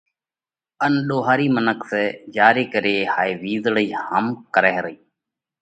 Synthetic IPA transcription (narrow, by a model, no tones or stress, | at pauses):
ənɗoːɦaːɾiːmənəksɛːd͡ʒaːɾeːkəɾeːhaːeːʋiːzɽəiːhəmkəɾɛːɾəiː